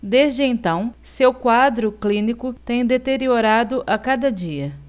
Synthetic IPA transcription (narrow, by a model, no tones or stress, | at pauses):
d̪ezd͡ʒɪẽnt̪ɐ̃w̃sewkwad̪ɾʊklĩnikʊt̪ẽj̃d̪et̪eɾioɾad̪ʊʔakad̪ɐd͡ʒiɐ